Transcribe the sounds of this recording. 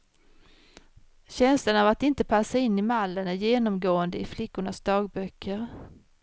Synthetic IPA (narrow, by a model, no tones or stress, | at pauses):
ɕɛnslənavat̪ɪnt̪əpʰasːaɪnːɪmalːənæɾjeːnɔmɡoːənd̪əɪflɪkːʊɳasd̪ɑːɡ̚bœkʰːəɾ